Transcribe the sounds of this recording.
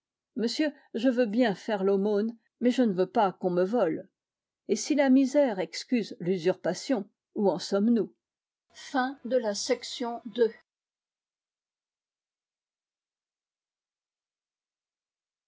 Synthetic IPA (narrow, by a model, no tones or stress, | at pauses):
məsjø | ʒəvøbjɛ̃fɛʁlomon | mɛʒənəvøpakɔ̃məvɔl | esilamizɛʁɛkskʲyzlyzyʁpasjɔ̃ | uɑ̃sɔmnu | fɛ̃d̪əlasɛksjɔ̃d̪ø